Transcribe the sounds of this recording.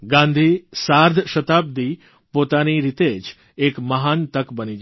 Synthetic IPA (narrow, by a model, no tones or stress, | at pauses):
ɡãnd̪ʱisaɾd̪ʱʃət̪ab̚d̪i | pot̪aniɾit̪ed͡ʒ | ekməɦant̪əkbənid͡ʒ